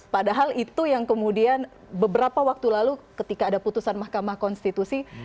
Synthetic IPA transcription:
padaɦalit̪ujaŋkəmudian | bəbəɾapawak̚t̪ulalukət̪ikaːdaput̪usanmahkamahkɔnst̪it̪usi

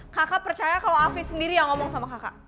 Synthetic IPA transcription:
kakapərt͡ʃajakalaafɪsəndiɾijaŋɔmɔŋsamakaka̰ʔ

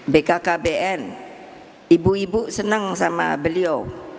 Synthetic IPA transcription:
bekakabeʔɛn | ibuibuʔsənəŋsama̰bəlio

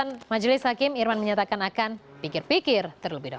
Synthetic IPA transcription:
anmad͡ʒəlɪshakɪmirmanməɲat̪akanakanpikɪrpikɪrt̪ərləbɪhda

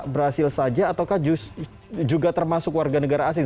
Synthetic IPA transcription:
bəɾɦasɪlsad͡ʒaːt̪awkahd͡ʒus | d͡ʒuɡat̪ərmasʊkwarɡanəɡaɾaːs̬ɪ

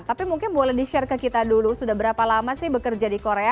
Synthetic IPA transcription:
t̪apimuŋkɪnbolɛhdiʃarkəkit̪adulusudahbəɾapalamasɪhbəkərd͡ʒadikoɾea

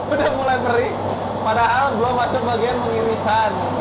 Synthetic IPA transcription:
udahmulajməɾi | padaɦalduamasəŋbaɡianməŋiɾisan

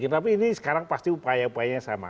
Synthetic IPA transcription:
kɪnt̪ap̬iːnisə̥kaɾaŋpast̪iupajaupajaɲasa̰ma̰

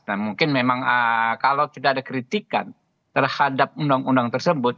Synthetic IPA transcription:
namuŋkɪnmemaŋəkalawt̪idaadakɾit̪ika̰n | t̪ərhadap̚undaŋundaŋt̪ərsəbʊt̪̚

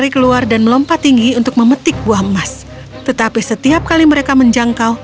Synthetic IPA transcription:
ɾikəluardanməlɔmpat̪iŋɡiunt̪ʊk̚məmət̪ɪk̚buahəmas | t̪ət̪apisət̪iap̚kaliməɾekaməɲd͡ʒaŋkaw

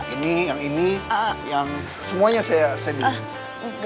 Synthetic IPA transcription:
inijaŋinijaŋ | səmuaɲasajasajabi | ɡ

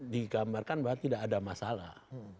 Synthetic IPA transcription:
diɡamarkanbaat̪ːidaːdamasala̰h

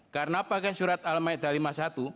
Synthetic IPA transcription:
karənapakasuɾat̪̚almaɛd̪alimasat̪u

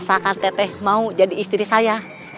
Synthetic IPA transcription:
sakant̪ɛt̪ɛhmaud͡ʒadiːst̪ɾisaja

